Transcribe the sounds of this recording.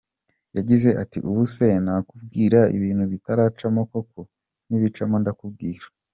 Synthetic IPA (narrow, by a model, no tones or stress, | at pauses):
jaɟize̞ʔatḭʔuβuse̞naːkubɡiːɾaḭβiːnhuβitaɾaːt͡ʃamoko̞ko̞ | niβit͡ʃamondakub̚ɡiːɾḁ